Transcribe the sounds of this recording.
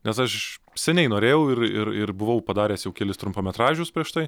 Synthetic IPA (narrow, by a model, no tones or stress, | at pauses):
nʲɛsɐʃ | sʲɛnʲɛɪnoːɾʲeːjɛʊɪrɪrɪrbʊʋɐʊpɐd̪ɑːɾʲeːsjɛʊkʲɛːlʲɪst̪ɾʊmpoːmʲɛt̪ɾɑːʒʲʊspʲɾʲiɛʃt̪ɐɪ